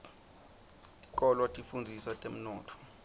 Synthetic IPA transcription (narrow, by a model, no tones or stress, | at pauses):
tʼi̥k̬ʼɔlwatʼifund͡zʱisatʼem̩nɔːtʰɔ̥